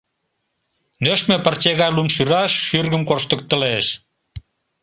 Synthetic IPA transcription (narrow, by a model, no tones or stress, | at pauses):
nøʃmepərt͡ɕeɣɑjlumʃyɾɑʃːyrɣə̆mkorʃt̪ə̆k̚t̪ə̆leʃ